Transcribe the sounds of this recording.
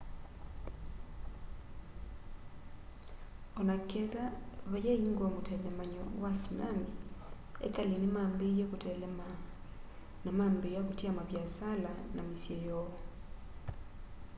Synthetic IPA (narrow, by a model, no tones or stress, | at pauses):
ɔnakɛðaβajɛiŋɡwamotɛlɛmaɲɔwasuna̰mi | ḛtalenemambejɛkotɛlɛma | namambejaβotiamaβjasalanamisjejɔɔ